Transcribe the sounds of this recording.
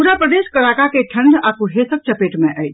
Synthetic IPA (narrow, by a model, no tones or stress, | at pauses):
uɾapɾəd̪eːʃkɐlaːkakeʈʰə̃ɳɖaːkuɦeːsək̚t͡ʃɐpeːʈmẽʔəi